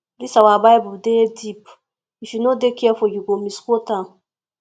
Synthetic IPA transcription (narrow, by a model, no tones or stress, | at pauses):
lisawabajbudedip | iʃinodekiafoɟuɡomiskota